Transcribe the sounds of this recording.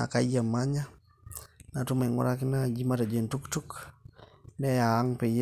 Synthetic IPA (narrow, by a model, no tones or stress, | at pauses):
a̰kajamaɲa | natumaŋɔ̰ɾakɪnad͡ʒimatad͡ʒentuktuk | nɛjaːŋpɪj